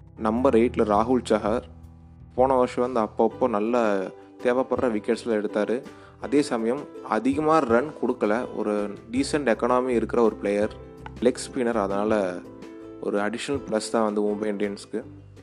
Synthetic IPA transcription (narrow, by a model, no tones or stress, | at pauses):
nɐmbɐɾɐɪʈlɐɾaːɦʊɭt͡ʃaːɦɐɾ | poːnɐʋɐɾʂɐʋɐnd̪ɯɐpːopːoːnɐlːɐ | t̪eːʋeːpɐɽɾɐʋɪkːɛʈslɛɽɯt̪ːaːɾɯ | ɐðeːsɐmɐjɐmɐ̰ðɪɣɐmaːɾɾɐnkɔɽɯkːɐlɐɔ̰ɾɯɖiːsɐɳʈɛkːɐːɳaːmeːɪɾɯkːɪɾɐɔɾɯpɪlɐjɐɾ | lɪkspiːnɐɾɐðɐnaːlɐ | ɔ̰ɾɯɐɽɪʂɐnɐlplɐst̪ãːʋɐnd̪ɯʊmbɐɪɪɳɖɪɐnskːɯ